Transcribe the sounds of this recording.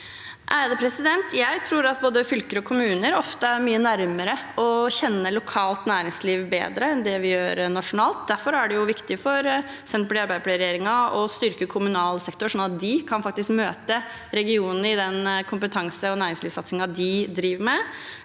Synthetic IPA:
ʔæd̪əpʰɾɛsɪd̪ɛnt̪ʰjæɪt̪ʰɾuːɾɑt̪̚boːd̪əfʏlkəɾəɔkʰʊmʉːnəɾɔft̪əæɾmyːənæɾməɾəɔçɛnːəlʊkʰɑːlt̪næːɾɪŋsliːʋbḛːd̪ɾəɛnd̪ɛʋɪjøːɾnɑʂʊnɑːlt̪̚d̪æɾfɔɾæɖɛjʊʋɪkt̪ɪfɔɾ | sɛnt̪pʰlɛɑɾbæɪpʰlæɪɾjeːɾɪŋɑɔst̪ʏɾkəkʰʊmʉnɑːlsɛkt̪ʊʂɔnɑt̪̚d̪ɪkʰɑnfɑk̚t̪ɪskmøːt̪ə | ɾɛɡɪuːnnəɾɪd̪ɛnkʰʊmpət̪ʰɑŋsəɔnæːɾɪŋsliːʋsɑt̪sɪŋɑd̪ɪd̪ɾiːʋəmɛ

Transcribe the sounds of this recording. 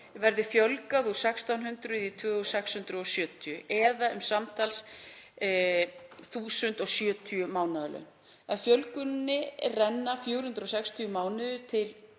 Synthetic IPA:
vɛɾðɪfjœlkaðu̥sɛkst̪awnhʏnt̪ɾʏðit̪ʰvœːɣɔsɛkshʏnt̪ɾʏɔsjœːt̪ʰjʏʔɛðaʔʏmsamt̪ʰals | θuːsʏnt̪ɔɣsjœːt̪ʰiʏmaːwnaðʏlʏ̰n | aðfjœlkʏnnːɪrɛnːafjuːwɾ̥hʏnt̪ɾɔsɛkst̪ʰʏʏmaːwnɪðʏɾ̥t̪ʰɪl

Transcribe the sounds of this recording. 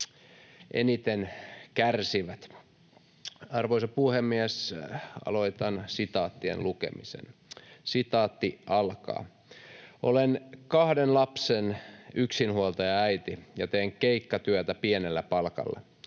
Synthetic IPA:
ʔḛnit̪enkærsiʋæt̪ | ɑrʋoisɑppuhemːiæsɑ̰loit̪ɑnsit̪ɑːt̪ːiḛnlukḛmisḛnsit̪ɑːt̪ːiʔɑlkɑ̰ː | ʔo̰lenkɑhdenlɑpsenyksinhuolt̪ɑjɑæit̪ijɑt̪eːŋkeikːɑt̪yøt̪æpienelːæpɑlkɑ̰lːɑ̰

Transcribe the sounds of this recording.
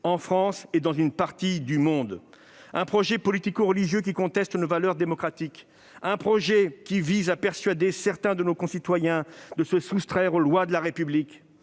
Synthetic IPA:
ɑ̃fχɑ̃sed̪ɑ̃zynpaʁt̪id̪ymɔ̃d̪ | ɛ̃pχɔʒɛpɔlit̪ikoʁəliʒjøk̬ʲikɔ̃t̪ɛst̪novalœʁd̪emɔkχat̪ik | ɛ̃pχɔʒɛkʲivizapɛʁsɥad̪esɛʁt̪ɛ̃d̪ənokɔ̃sit̪wajɛ̃d̪əsəsust̪χɛʁolwad̪əlaʁepyblik

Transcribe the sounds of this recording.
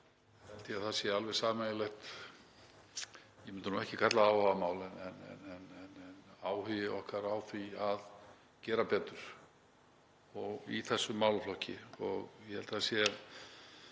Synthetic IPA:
hɛlt̪ɪaðθasjɛalvɛðsaːmajɪlɛxt̪ | jɛmʏnt̪ɪnuɛhcɪkʰat̪laawhamaːwlɛnɛnɛ̰nɛnɛnɛnaːwhʏvɪɔhkaɾaːwθviað | cɛːɾapɛːt̪ʏɾ̥ | ɔɣiθɛsːʏmaːwlflɔhcɪ̰ɔɣjɛhɛlt̪ɪ̥θasjɛ

